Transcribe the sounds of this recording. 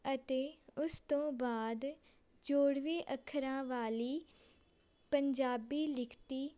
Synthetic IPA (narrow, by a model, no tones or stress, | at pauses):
ət̪eːʊst̪õːbaːd̪ | d͡ʒoːɽʋeːʔəkʰɾãːʋaːliː | pəɲd͡ʒaːbiːlɪkʰt̪iː